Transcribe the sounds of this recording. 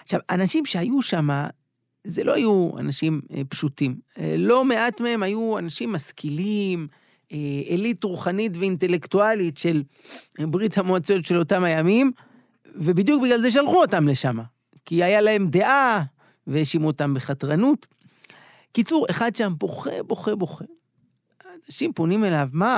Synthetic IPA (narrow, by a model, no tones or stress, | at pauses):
aʃavanaʃimʃe̞ajuʃama | zḛlo̞̰hajua̰naʃimpʃutimlo̞me̞ʔatmee̞mhajuanaʃimːaskilim | eelitʁuχanitveinte̞le̞ktualitʃe̞l | bʁithamoat͡sotʃe̞lo̞tamhajamim | ve̞bid̪juk̚biɡlalze̞ʃ̬alχuo̞tamle̞ʃama | kiajalae̞mde̞ʔa | vejeʃimuotambeχatʁanut | kit͡suʁe̞χad̚ʃambo̞χḛbo̞χebo̞χe | naʃimpo̞nime̞lavma